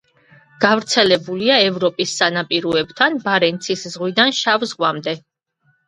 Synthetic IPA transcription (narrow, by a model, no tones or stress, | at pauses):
ɡ̥avɾt̪sʰɛlɛbuliaɛvɾɔpʼisːanapʼiɾɔɛbt̪ʰanbaɾɛnt̪sʰiszʁwid̪anʃavzʁwamd̪ɛ